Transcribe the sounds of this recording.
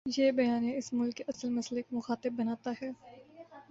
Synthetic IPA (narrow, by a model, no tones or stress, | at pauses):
jeːbɐjaːneɪsmʊlkːeɐsəlmɐslekomʊxaːt̪ɪbbɐnaːt̪aɦɛː